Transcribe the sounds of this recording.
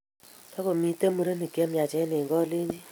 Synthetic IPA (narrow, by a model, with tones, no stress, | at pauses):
ka˦ko˨mi˦te˦mu˨ɾe˦ni˨kje˦mja˨t͡ʃɛ˦ne˨ŋɡɔ˦le˦ɲd͡ʒi˦